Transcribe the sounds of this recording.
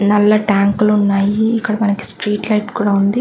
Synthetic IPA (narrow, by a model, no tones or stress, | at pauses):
nɐlːɐʈaːŋklunːaːjiːkːɐɽɐmɐnɐki̥sʈɾiːʈlɐjʈkuːɽaːund̪i